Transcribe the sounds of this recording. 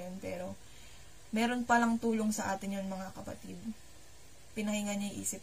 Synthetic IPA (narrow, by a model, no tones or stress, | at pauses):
onpɛːɾo̞ | mɛːɾo̞npɐlɐŋt̪uːlo̞ŋsɐʔaːt̪ɪɲjʊnmɐŋakɐpɐ̰t̪id̪̚ | pɪnɐhiŋɐɲɐjʔḭːsɪp̚